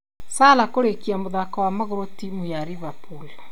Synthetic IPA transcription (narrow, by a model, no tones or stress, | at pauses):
salakoɾekiamoðakawamaɣoɾotimujaɾiβapula